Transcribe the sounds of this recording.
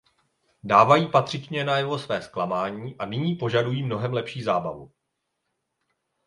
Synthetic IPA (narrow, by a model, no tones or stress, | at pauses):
daːvajiːpat̪r̝̥ɪt͡ʃɲɛnajɛvo̞svɛːsklamaːɲiːʔanɪɲiːpo̞ʒadujiːmno̞ɦɛmlɛpʃiːzaːbavu